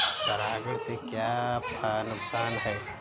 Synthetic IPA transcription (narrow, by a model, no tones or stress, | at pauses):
t̪ɐɾaːɡəɾsekjaːpanʊksaːnɦɛː